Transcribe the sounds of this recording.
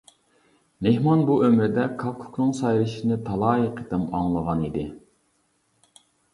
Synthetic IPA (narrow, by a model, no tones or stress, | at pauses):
mehmɑnbuømɾɪd̪ɛkʰɑkʰu̥knɨŋsɑjɾɨʃinɨt̪ʰɑlˠɑːiqʰet̪ɛmɑŋlˠəʁɑnid̪ɪ